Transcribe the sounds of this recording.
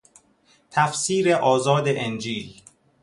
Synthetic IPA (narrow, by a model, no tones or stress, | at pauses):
t̪ʰæfsiːɾeʔɒːzɒːd̪eʔend͡ʒiːl